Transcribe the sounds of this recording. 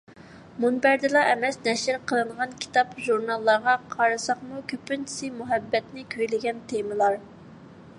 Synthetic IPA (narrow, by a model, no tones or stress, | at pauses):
munbæɾd̪ɪlˠɑʔɛmɛsnɛʃɪɾqʰəlˠɨɴʁɑnkʲʰi̥t̪ʰɑpʒuɾnɑlˠːɑɾʁɑqʰɑɾɨsɑχmukʲʰøpynt͡ʃʰi̥sɪmuɦɛbːɛt̪nɪkʲʰøjlɪɡʲɛnt̪ʰemɨlˠɑɾ